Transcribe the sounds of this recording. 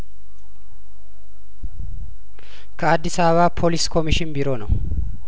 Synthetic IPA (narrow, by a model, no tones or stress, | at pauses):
kʰəad̪ːɪsaββapʰoliskʰo̞miʃɪnbɪɾo̞nəw